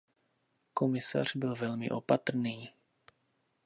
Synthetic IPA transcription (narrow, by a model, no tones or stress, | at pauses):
ko̞mɪsa̰r̝̥bɪlvɛlmɪ̰ʔo̞pat̪r̩niː